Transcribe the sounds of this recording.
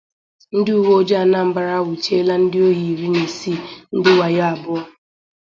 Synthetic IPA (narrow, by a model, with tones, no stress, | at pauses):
n̩˦dɪ˦u˨wo˦d͡ʒa˦˨na˦m̩˦ba˨ɾa˦wʊ˨t͡ʃe˦la˦n̩˦dɪ˦o˦ɦi˨ɾi˦ne˨si˦˨n̩˦dɪ˦wa˨ja˦a˨bʊ˦ɔ˦